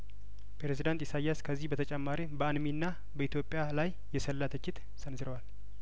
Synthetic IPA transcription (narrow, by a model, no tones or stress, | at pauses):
pɾezid̪ant̪isajːaskʰəzːihbət̪ʰət͡ʃʼɛmːaɾibəanminːa | bəit̪ʰjo̞pʼɪjalajːɛsəlːat̪ʰət͡ʃːɪt̪ | sənzɨɾəwal